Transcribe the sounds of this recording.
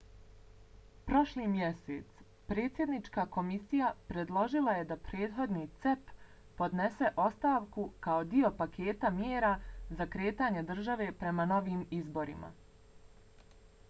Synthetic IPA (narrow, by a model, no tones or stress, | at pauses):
pɾo̞ʃliːmje̞seːt̪s | pɾe̞ːt̪sje̞d̪nit͡ʃkako̞misijapɾe̞d̪lˠo̞ʒilˠaje̞d̪apɾe̞ːd̪ɦo̞d̪niːt̪sepː | o̞d̪ne̞se̞ʔo̞st̪aːʋkukao̞d̪io̞pakʰe̞ːt̪amjeːɾazakɾe̞ːt̪aːɲed̪r̩ʒaʋe̞ːpɾe̞mano̞ʋiːmizbo̞ɾḭma̰